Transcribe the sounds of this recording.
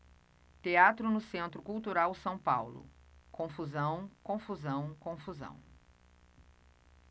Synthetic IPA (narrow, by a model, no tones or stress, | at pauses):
t̪eat̪ɾʊnʊsẽnt̪ɾʊkuwt̪uɾawsɐ̃w̃pawlʊ̰kõfuzɐ̃w̃kõfuzɐ̃w̃kõfuzɐ̰̃w̃